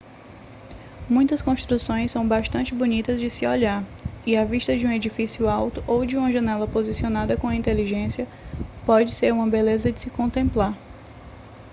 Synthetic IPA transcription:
mũj̃t̪ɐskõʃt̪ɾusõj̃sːɐ̃w̃baʃt̪ɐ̃t͡ʃɪbunit̪ɐzd͡ʒɪsɪoʎaɾiaviʃt̪ɐd͡ʒɪũed͡ʒifisiʊawt̪ʊʔowd͡ʒɪũmɐʒɐ̃nɛlɐpozisionad̪ɐkõɐĩnt̪eliʒẽsiɐpɔd͡ʒɪseɾũmɐbelezɐd͡ʒɪsɪkõnt̪ẽmplaɾ

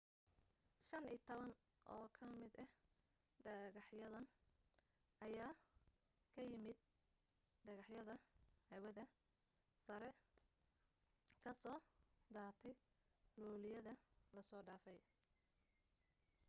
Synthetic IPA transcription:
ʃɐniːt̪ʰɔβɐn | ʔɔːkʰɐmɪd̪ɐh | ɖɐɣɑħjɐðɐn | ʔɐjaː | kʰɐjɪmɪd̪̚ | ɖɐɣɑħjɐðɐhɐwɐðɐ | sɐɾɛ | kʰɐsɔːd̪aːrt̪ʰɛj | luːlɪjɐðɐlɐsɔːɖaːfɛj

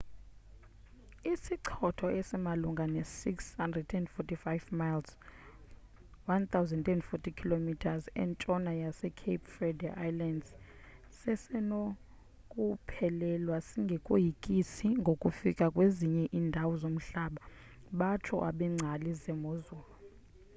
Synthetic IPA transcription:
isiǀʰɔtʰɔɛsɛmaluŋɡʱanɛsikshandrɛdɛndfɔtifajvmajls | want̪ʰawzɛndɛnfɔtʰikʰilomitʰazɛ̰nt͡ʃʼɔnajasɛkʰepʰfrɛdɛʔajlandz | sɛsɛno | kʼupʰɛlɛlwasiŋɡʱɛkʼojikʼisiŋɡʱokʼufikʼakʼweziɲɛʔiːndʱawɔzom̩ɬaɓa | ɓat͡ʃʰɔ̰ʔa̰ɓɛŋ͡ǀʱalizɛmozuːlɔ

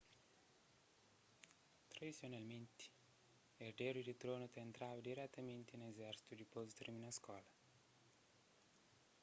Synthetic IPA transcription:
t̪ɾad̪itsjonalment̪i̥ | erd̪eɾid̪it̪ɾoːnut̪ɛːnt̪ɾaːvad̪iɾɛt̪ːament̪inezɛɾsi̥t̪ud̪ipozit̪ɾminaskwɔːla

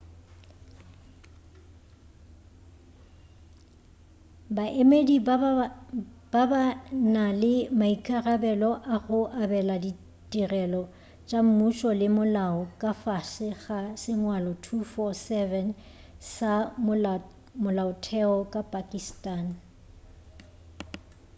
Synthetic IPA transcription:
baʔemedi | b̥abanalɪmaikʼarabɛlɔʔaɣʊʔabɛladi | tʼirɛlɔ | t͡ʃʼam̩muʃɔlɪmʊlaɔkʼafasɪɣasɪŋwalɔtʰufɔsɛvɛn | sa | mʊlaʊtʰɛɔkʼapʼakʼistʼan

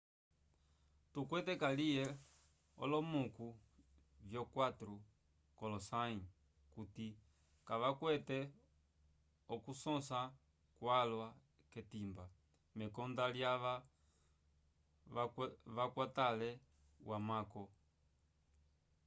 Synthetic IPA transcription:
tukwɛtɛkalijɛ | ɔ̰lɔmuku | vjɔkwatɾu | kɔlɔsai | kuti | kaʋakwɛtɛ | ɔkusɔ̃sa | kwalwa | kɛtimba | mɛkɔndaljaʋa | ʋakwatalɛ | wʔamakɔ

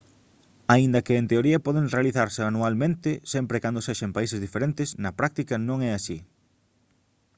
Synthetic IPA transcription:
aind̪ɐkɪːnt̪eoɾiɐpɔðeŋrealiθaɾseanualmẽnt̪ɪsɛmpɾekand̪oseʃɐmpaisezðifeɾẽnt̪ɪsnɐpɾak̚t̪ikɐnõŋɛasi

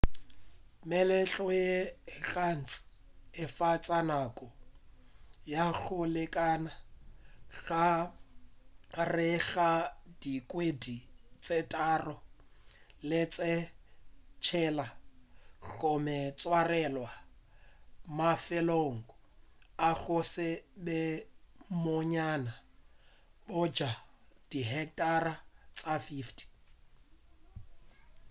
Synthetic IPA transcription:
mɛlɛt͡ɬʼɔjeɣan̩t͡sʼɪ̥ | ɪfat͡sʼanakʼɔ | jaɣʊlɪkʼaːna | ɣa | rɪɣadikʼwedit͡sʼetʼaːrɔ | lɪt͡sʼɪ | t͡ʃʰɛla | ɣɔmɛt͡sʼwarɛlwa | mafɛloŋ̩ɡɔ | aɣʊsɪbɛmoɲana | bʊd͡ʒad̥iɦɛkʼtʼarat͡sʼafiftʰʼi̥

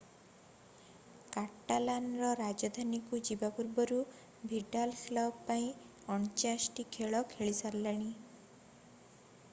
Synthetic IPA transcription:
kaʈːalanɾɔɾad͡ʒɔd̪ʱanikud͡ʒibapuɾbɔɾu | bʱiɖalkʰlɔbpaĩ | ɔɳt͡ʃasʈikʰeɭɔkʰeɭisaɾlaɽ̃i

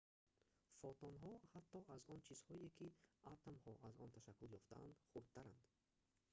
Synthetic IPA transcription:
fɔt̪ɔnɦɔhat̪ːɔʔazɔnt͡ʃʰiz̥hɔekʰiat̪amhɔʔazɔnt̪ʰaʃakːuljɔft̪a̰a̰nd̪χuɾd̪̚t̪ʰːaɾand̪̥

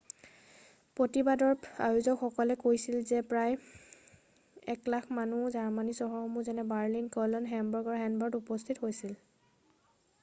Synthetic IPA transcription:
pɹotibadɔɹa̰juzɔkxɔkɔlɛkojsilzɛpɹaj | ɛklakʰmanuzaɹmanisɔɦɔxɔmuzɛnɛbaɹlinkɔlɔnɦɛmbɔɹɡɔɹɦɛnbɔɹdupɔstʰithojsil

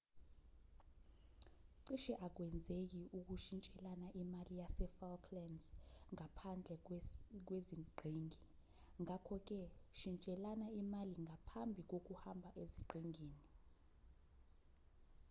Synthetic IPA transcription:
ǀiʃɛʔak̬wɛnd͡zʱek̬iʔuk̬uʃint͡ʃʼɛlanaʔimalijasɛfalkʰlɛnzŋapʰand͡ɮʱɛk̬weziɡ͡ǃʱiːŋʱi | ŋakʰɔk̬ʼɛʃint͡ʃʼɛlanaimaliŋʱapʰambʱik̬ok̬uhambʱaʔeziǃiŋiːni

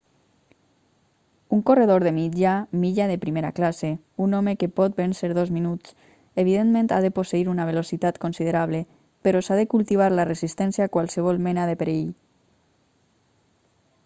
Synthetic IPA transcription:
uŋkoreð̞oɾðemid͡ʒamiʎaðepɾimeɾa̰klase | unɔmekepɔt̪̚benseɾðozminut͡s | eβ̞iðenmẽnt̪aðeposeiɾunaβelosit̪at̪konsiðeɾaβ̞le | peɾɔsaðekulˠt̪iβ̞aɾlarezist̪ɛnsjakwalˠsəβ̞ɔlˠmenaðepeɾeʎ

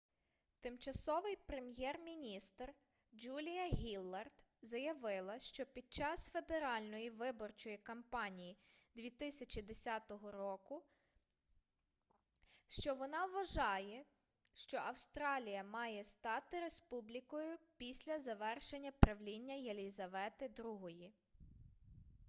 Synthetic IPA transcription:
t̪ɪmt͡ʃɐsɔʋɪjpɾe̞mjɛrmʲinʲist̪r | d͡ʒulʲijɐɦʲilˠːɐrt̪zɐjɐʋɪlˠɐʃt͡ʃɔpʲid̪̚t͡ʃɑsfe̞d̪eɾɑlʲnɔjiʋɪbɔrt͡ʃɔjikɐmpɑnʲijid̪ʲʋʲit̪ɪsʲɐt͡ʃid̪esʲɑt̪ɔɦɔɾɔkʊ | ʃt͡ʃɔʋɔnɑʋʋɐʒɑjɛ | ʃt͡ʃɔʔɐwst̪ɾɑlʲijɐmɑjɛst̪ɑt̪ɪɾe̞spublʲikɔjʊpʲisʲlʲɐzɐʋɛrʃenʲːɐpɾɐʋlʲinʲːɐjelʲizɐʋɛt̪ɪd̪ɾuɦɔji

